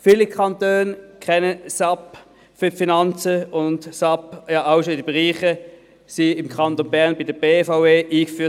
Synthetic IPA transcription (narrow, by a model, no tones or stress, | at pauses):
fiːlikʰɑntøːnkʰχɛnəsap | fyfinɑnt͡səʊntsɑpjɑʔaʊʃoɪdibeʁiːχə | siɪmkʰχɑntonbɛʁnbidəb̥eːfaʊveːʔiːkfyːɐ